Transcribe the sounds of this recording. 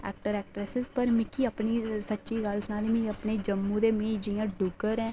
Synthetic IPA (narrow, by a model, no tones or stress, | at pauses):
ɛ̰ːk̚ʈəɾɛːʈɾɛsɪzpəɾmɪkiəpnisətːʃiɡaːlsənãːd̪emĩəpɳed͡ʒəmːũːd̪eːmẽːd͡ʒijãːɖʊɡəɾɛ̃ː